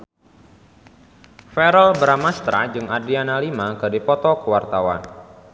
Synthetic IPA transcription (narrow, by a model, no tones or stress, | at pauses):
fɛɾəlbəɾamast̪ɾa̰d͡ʒɨŋadianalimakɨdipɔt̪ɔkəwart̪awa̰n